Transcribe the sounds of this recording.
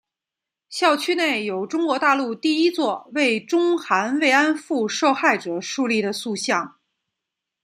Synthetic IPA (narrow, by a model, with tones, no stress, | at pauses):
ɕjɑ˥˩ʊt͡ɕʰy˥ne˥˩ɪjo˨˩ʊʈ͡ʂʊ˥ŋkwɔ˧˥t̪a˥˧lu˥˧t̪i˥˩i˥t͡swɔ˥˧we˥˩ɪʈ͡ʂʊ˥ŋxa˧˥nwe˥˩ɪa˥nfu˥˧ʂo˥˧ʊxa˥˩ɪʈ͡ʂɤ˨˩ʂu˥˧li˥˩ɾə˩su˥˧ɕjɑ˥˩ŋ